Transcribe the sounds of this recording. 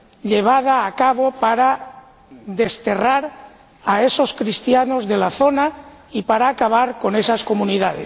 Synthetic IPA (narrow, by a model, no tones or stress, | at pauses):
ʎe̞β̞að̞aːkaβopaɾa | ðe̞st̪e̞raɾ | ae̞so̞skɾist̪jano̞zðe̞laθo̞naipaɾaːkaβ̞aɾko̞ne̞sasko̞mũniðaðḛs